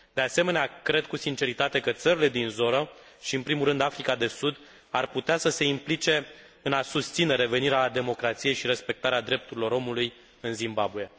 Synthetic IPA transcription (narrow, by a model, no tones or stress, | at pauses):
d̪̥e̞ase̞me̞neakɾe̞d̪̚kusint͡ʃe̞ɾit̪at̪e̞kət̪səɾile̞d̪inzo̞nə | ʃiɨnpɾimulɾɨnd̪afɾikad̪e̞sud̪ | arput̪easəse̞implit͡ʃe̞ | ɨnasust̪sine̞ɾe̞ve̞niɾead̪e̞mo̞kɾat̪sije̞jʃiɾe̞spe̞k̚t̪aɾead̪ɾe̞p̚t̪uɾilo̞ɾo̞muluj | ɨnzimbabue̞